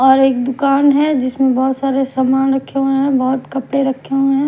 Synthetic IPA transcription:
ɔːɾeːk̚d̪ʊkaːnɦɛd͡ʒɪsmẽbɔːt̪saːɾesaːmaːnɾɐkʰeueɦɛ̃bɔɦʊt̪kɐpɽeɾɐkʰːeɦoɛ̃ː

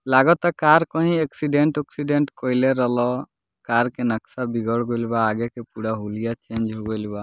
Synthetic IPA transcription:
laɡɔt̪ɔkaɾkɔɦĩeksiɖeɳʈɔksiɖeɳʈkɔleɾəlɔ | kaɾkenəksabiɡɔɽɡoɪlbaːɡekepuɽaɦulijat͡ʃẽnd͡ʒɦoɡolba

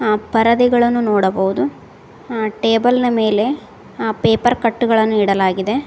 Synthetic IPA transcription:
pɐɾɐd̪iɡɐɭɐnːunoːɽɐbɐʋud̪u | ʈe̞ːbɐlnɐme̞ːle̞ | peːpɐɾkɐʈːuɡɐɭɐnːuiɽɐlaːɡid̪e̞

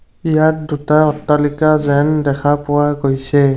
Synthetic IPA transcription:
ijat̚dutaɔtːalikazɛndɛkʰapʊwaɡojsɛ

